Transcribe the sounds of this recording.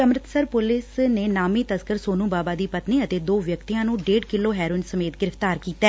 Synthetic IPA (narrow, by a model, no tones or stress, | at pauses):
əmɾɪt̪səɾpʊlɪsneːnaːmiːt̪əskəɾsoːnũːbaːbaːd̪iːpət̪niːət̪eːd̪oːʋjəkt̪iːjãːnũːɖeːɖkɪloːɦɛːɾoɪnsəmeːt̪ɡɪɾəft̪aːɾkiːt̪ɛː